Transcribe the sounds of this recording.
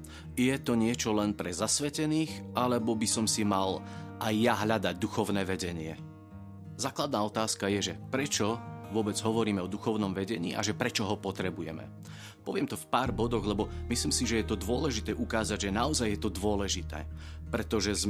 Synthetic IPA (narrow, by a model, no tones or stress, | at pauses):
jɛt̪ɔɲɪɛt͡ʃɔlɛnpɾɛzasʋɛcɛniːxʔalɛbɔbisɔmsimal | ajːaɦʎad̪aɟd̪uxɔʊnɛːʋɛɟɛɲɪɛ | zaːklad̪naːɔt̪aːskajɛʒɛpɾɛt͡ʃɔʋʊɔbɛd͡zɦɔʋɔɾiːmɛɔd̪uxɔʊnɔmʋɛɟɛɲḭːʔa̰ʒɛpɾɛt͡ʃɔɦɔpɔt̪ɾɛbujɛ̰mɛ̰ | pɔʋɪɛmt̪ɔfpaːɾbɔd̪ɔɣlɛbɔmisliːmsiʒɛjɛt̪ɔd̪ʊɔlɛʒit̪ɛːʔukaːzaɟʒɛnaɔzajːɛt̪ɔd̪ʋʊɔlɛʒit̪ɛ̰ːpɾɛt̪ɔʒɛz